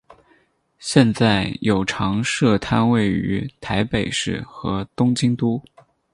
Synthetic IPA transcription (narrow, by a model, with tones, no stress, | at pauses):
ɕjɛ˥˧nt͡sa˥˩ɪjo˨˩ʊʈ͡ʂʰɑ˧˥ŋʂɤ˥˩t̪ʰa˥nwe˥˩ɪy̰˧˥t̪ʰa˧˥ɪpe˨˩ɪʂɻ̩˥˩xɤ˧˥t̪ʊ˥ŋt͡ɕi˥ŋt̪u˥